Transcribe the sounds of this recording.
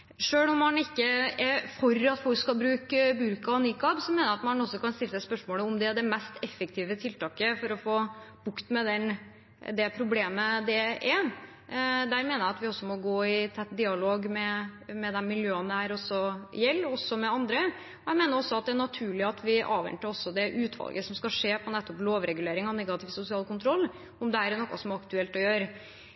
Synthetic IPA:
ʂøːɭʊmːɑnɪkːəɛfɔɾɑt̪fɔlkskɑlbɾʉːkbʉɾkɑniːkɑbsɔmeːnəɾɑt̪mɑnɔsːɔkɑnst̪ɪlːəsæɪspœʂmoːləʊmd̪ɛæd̪ɛmɛst̪ɛfːəkt̪ʰiːʋət̪ʰɪlt̪ɑːkəfɔɾɔfoːb̥ʊkt̪mɛd̪ɛn | d̪ɛpʰɾʊbleːməd̪ɛʔɛ | d̪æːɾmeːnəɾjæɑt̪ʋɪɔsːɔmɔɡoːɪt̪ʰɛt̪ːd̪ɪːɑloːɡmɛmɛd̪ɛnmɪljøːənæɾɔsːɔjɛlːɔsɔmɛɑnd̪ɾə | ɔjæɪmeːnəɾɔsːɔɑt̪̚d̪ɛænɑt̪ʰʉːɭɪɑt̪ʰʋɪʔɑ̰ːʋɛ̰nt̪əɾɔsːɔd̪ɛʔʉːt̪ʰʋɑ̰lɡəsɔmskɑʂeːpʰɔnɛt̪ːɔploːʋɾɛɡʉleːɾɪŋɑnɛɡɑt̪ʰɪːʋsʊsɪɑːlkʊnt̪ʰɾɔlː | ɔmd̪ɛæɾnɔkːɑsɔmɑkt̪ʉɛlt̪ɔjøːɾ

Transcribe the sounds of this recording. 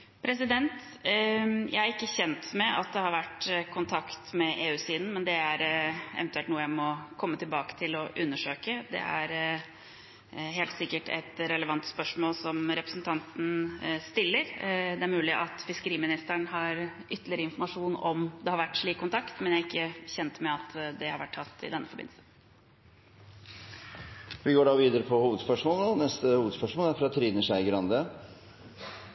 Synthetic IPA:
pʰɾɛs̬ɪd̪ɛnt̪ | jæ̰ɪæɾɪkːəçɛnt̪mɛɑt̪̚d̪ɛhɑɾʋæʈːkʰʊnt̪ʰɑkt̪mɛʔeːʉːsiːd̪n̩mɛnd̪ɛæɾɛ̰ʋɛnt̪ʉɛlt̪nuːəjæɪmɔkʰɔmːət̪ʰɪlbɑːkə̥t̪ʰɪlɔʔʉnːəʂøːkəd̪ɛ̰æ̰ɾ | ɦeːlt̪sɪkːəʈɛ̰t̪ɾɛləʋɑnt̪spœʂmoːlsɔmɾɛpɾəsn̩t̪ʰɑnt̪n̩st̪ɪlːəɾd̪ɛæɾmʉːlɪʔɑt̪fɪskəɾiːmɪnɪst̪əɳhɑɾʔʏt̪ːəlɪəɾəɪnfɔɾmɑʂuːnɔmd̪ɛhɑɾʋæʈːʂɭiːkʰːʊnt̪ʰɑkt̪mɛnjæɪkːəçɛnt̪mɛɑt̪d̪ɛhɑɾʋæʈʰːɑt̪ːɪ̰d̪ɛnːəfɔɾbɪ̰n̩sən | ʋɪɡoːɖɑʋiːd̪əɾəpʰɔhuːʋəd̪spœʂmɔːld̪ɔnɛst̪əhuːʋəd̪spœʂmɔːlæɾfɾɑt̪ʰɾiːd̪nəʂæɪɡəɾɑnd̪ə

